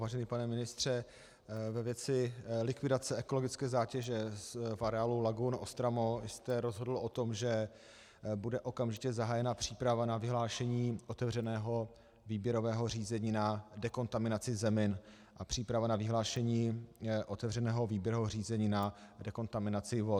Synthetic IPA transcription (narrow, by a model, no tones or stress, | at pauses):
vaːʒɛnipanɛmɪnɪst̪r̝̥ɛ | vɛvjɛt͡sɪlɪkvɪdat͡sɛɛko̞loɡɪt͡skɛːzaːcɛʒɛsfaɾɛaːlulaɡunʔost̪ɾamost̪ɛɾozɦodl̩ʔo̞t̪o̞mʒɛ | budɛʔo̞kamʒɪcɛzaɦaːjɛnapr̥iːpɾavanavɪɦlaːʃɛɲiːʔot̪ɛvr̝ɛnɛːɦo | viːbjɛɾo̞vɛːɦo̞r̝iːzɛɲiːnadɛko̞nt̪amɪnat͡sɪzɛmɪn | ʔapr̝̥iːpɾavanavɪɦlaːʃɛɲiːʔot̪ɛvrɛnɛːɦo̞viːbjɛɾovɦor̝iːzɛɲiːnadɛko̞nt̪amɪnat͡sɪvo